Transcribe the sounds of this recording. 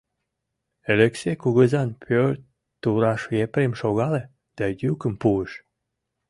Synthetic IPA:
eləksekuɣəzɑnpʰøɾt̪ | t̪uɾɑʃepɾemʃoɣɑle | d̪̥æjykəmpuəʃ

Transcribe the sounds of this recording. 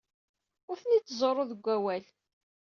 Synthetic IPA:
ʊɾθnit͡sːzˤoɾˤoðəɡʷːæwæl

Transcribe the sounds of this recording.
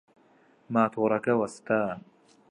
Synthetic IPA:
maːt̪ʰoɾɐkɐwɐst̪aː

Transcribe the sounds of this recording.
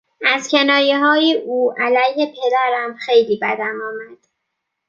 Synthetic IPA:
æzcʲʰe̞nɒːjeɦɒːjeʔuːʔælæjhe̞pʰe̞d̪æɾæmxejliːbæd̪æmɒːmæd̪̥

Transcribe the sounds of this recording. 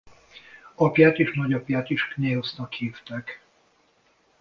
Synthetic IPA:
ɒpjaːt̪eːʃnɒɟɒpjaːt̪iʃkneosnɒkhiːft̪ɛk

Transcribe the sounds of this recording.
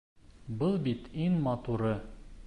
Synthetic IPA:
bɤlˠbit̪iŋmɑt̪uɾɤ

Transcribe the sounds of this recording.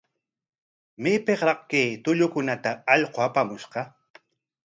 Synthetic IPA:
meːpeqɾɑqkeːt̪ʊʎʊkʊnat̪aːʎqoapamʊʃqɑ

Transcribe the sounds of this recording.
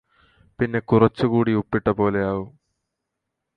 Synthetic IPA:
pinːe̞kurɐt͡ɕːukuːɽiupːiʈːɐpo̞ːle̞aːʋu

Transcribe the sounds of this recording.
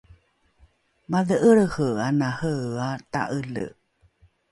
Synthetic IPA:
maðəʔəɭəhəanahəata̰ʔəɮə̰

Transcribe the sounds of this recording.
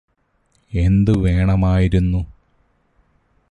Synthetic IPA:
e̞nd̪ɨʋe̞ːɳɐmaːjiɾunːu

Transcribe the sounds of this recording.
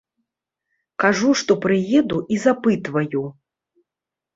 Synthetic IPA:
kaʐuʂt̪ɔpɾɨjɛd̪uʔizapɨt̪vɐju

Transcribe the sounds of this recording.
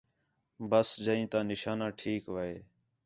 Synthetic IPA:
bəsd͡ʒəĩːt̪ãːnɪʃaːnãːʈʰiːkʋəɦḛː

